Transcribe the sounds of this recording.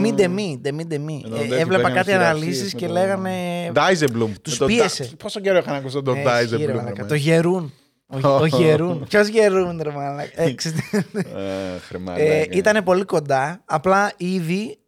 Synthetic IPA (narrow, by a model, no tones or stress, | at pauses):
mid̪e̞mid̪emid̪emievlepɐkɐt̪iɐðɐlisisce̞le̞ɣɐne̞d̪ɐizeblumt̪uspie̞sepost̪oɟeɾoixɐnɐkusot̪oɐizeiɾelkɐt̪oʝe̞ɾun | ooeɾunçozʝe̞ɾund̪ɾemɐlɐeksit̪e | ɾimɐ̰it̪ɐne̞po̞liko̞nd̪ɐɐplɐiði